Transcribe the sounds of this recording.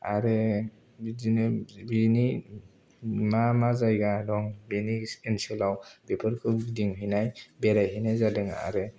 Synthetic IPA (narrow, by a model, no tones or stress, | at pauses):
a̰ɾɯ | bzinɯbini | mamazajɡadɔŋbenisensɯlawpepʰɯɾkʰɯdiŋɦɯjnajbeɾajɦinajzadɯŋa̰ɾɯ